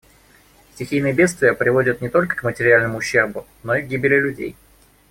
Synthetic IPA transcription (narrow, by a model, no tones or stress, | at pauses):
sʲtʲɪxʲijnəjəbʲet̪st̪vʲɪjəpɾʲɪvo̞dʲət̪nʲɪt̪o̞lʲkə̥kmətʲɪɾʲɪalʲnəmʊːɕːe̞rbʊ | no̞iɡɡʲibʲɪlʲɪlʲʉdʲḛj